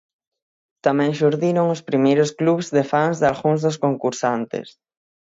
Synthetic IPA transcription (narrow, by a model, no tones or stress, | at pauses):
t̪amɛ̃ŋʃuɾðiɾoŋospɾimejɾʊskluβzðɪfaŋzðalɣuŋzðʊskoŋkuɾsant̪ɪ̰s